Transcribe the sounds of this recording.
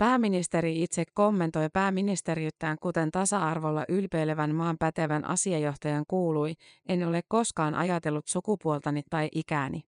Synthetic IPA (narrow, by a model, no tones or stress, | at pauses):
pæːmːinist̪e̞ɾiit̪se̞kkːo̞mːe̞nt̪o̞jpæːmːinist̪e̞ɾiyt̪ːæːŋkut̪e̞nt̪ɑsɑɑrʋo̞lːɑ̰ʔylpe̞ɥleʋænmɑːmpæt̪e̞ʋænʔɑ̰siɑjo̞ht̪ɑjɑŋkuːluje̞inːeo̞le̞kːo̞skɑːnʔɑ̰jɑt̪e̞lːut̪sukupuolt̪ɑnit̪ːɑjʔikæːnḭ